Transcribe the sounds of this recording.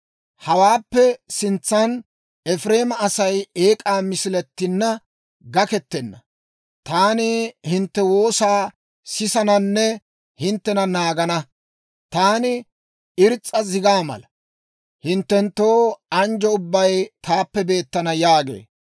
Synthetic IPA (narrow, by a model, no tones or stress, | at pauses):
hɐwaːpːɛsɪnt͡sːɐn | ɛfɾeːmɐːsɐjeːkʼaːmɪsɪlɛt̪ːɪnːɐ | ɡɐkɛt̪ːɛnːɐ | t̪aːnɪhɪnt̪ːɛwo̞ːsaː | sɪsɐnɐnːɛ | hɪnt̪ːɛnɐnaːɡɐnɐ | t̪aːnɪ | ɪɾt͡sʼːɐzɪɡaːmɐ̰lɐ | hɪnt̪ːɛnt̪ːo̞ːɐnd͡ʒɔʊbːɐjt̪aːpːɛbe̞ːt̪ːɐnɐjaːɡḛː